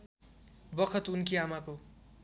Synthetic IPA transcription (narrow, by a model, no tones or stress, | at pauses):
bʌkʰʌt̪unkiamako